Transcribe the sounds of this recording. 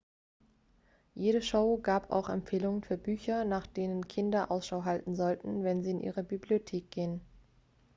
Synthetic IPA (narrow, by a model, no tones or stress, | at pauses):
jeːɾəʃoʊɡaːpʰa̰ʊxɛ̰mpfeːlʊŋənfyːɐbyːçɐnaːχd̥eːnənkʰɪndɐʔaʊsʃaʊɦaltn̩zɔltn̩vɛnziːɪnʔḭːʁəbibliotʰeːk̚ɡ̥eːən